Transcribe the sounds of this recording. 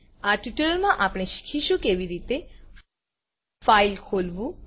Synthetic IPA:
aʈjuʈəlmãʔapɽ̃eʃi̥kʰiʃũkeʋiɾit̪e | failkʰolʋũ

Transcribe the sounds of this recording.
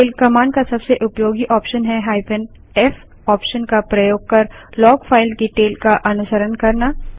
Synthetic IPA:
ʈeːlkɐmaːɳkasɐbseʔʊpjoːɡiʔɔːpʃənɦɛɦaːɪpən | ɛf | ɔːpʃənkapɾɐjoːɡ̚kɐɾlɔːɡfʰaːɪlkeʈeːlkaʔɐnʊsəɾənkɐɾnaː

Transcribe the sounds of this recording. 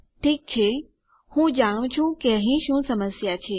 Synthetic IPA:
ʈʰiːk̚t͡ɕʰe | hũːd͡ʑaːɽ̃ũt͡ɕʰũkeəɦĩʃũːsɐməsjat͡ɕʰeː

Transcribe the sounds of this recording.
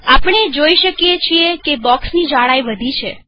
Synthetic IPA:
apɳ̃ed͡ʒoiʃəkijet͡ʃʰiekebɔksnid͡ʒaɽajʋəd̪ʱit͡ʃʰe

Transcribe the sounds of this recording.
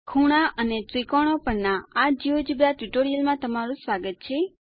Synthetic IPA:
kʰuɽ̃aʔəneʈɾikoɽ̃opəɾnaad͡ʒiod͡ʒibɾaʈuʈoɾijəlmãt̪əmaɾũsʋaɡət̪̚t͡ʃʰe

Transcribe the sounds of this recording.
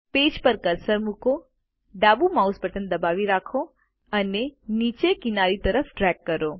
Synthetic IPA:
peːd͡ʒpəɾkɐɾsəɾmʊko | ɖaːbumaʊsbəʈənd̪ɐbaːʋiɾaːkʰo | ɐneniːt͡ʃekɪnaːɾit̪ɐɾəfʈɾɛːkːɐɾoː

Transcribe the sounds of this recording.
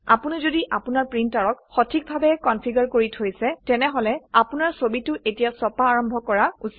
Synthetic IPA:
a̰punizodiʔapunaɹpɹintaɹɔkxɔtʰik̚bʱabɛkɔnpʰiɡaɹkoɹitʰojsɛtɛnɛɦɔlɛapunaɹsobitʊʔetijasɔpaːɹɔmbʱɔkɔɹausi̥

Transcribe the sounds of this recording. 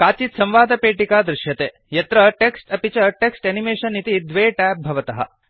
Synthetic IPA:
kaːt͡ʃit̪sɐ̃mʋaːd̪ɐpeːʈikaːd̪ɾɪʃjɐt̪eː | jɐt̪ɾɐʈeksʈɐpit͡ʃɐʈeksʈɐnimeːʃɐnːit̪id̪ʋeːʈæːp̚bʱɐʋɐt̪ɐɦɐ̰

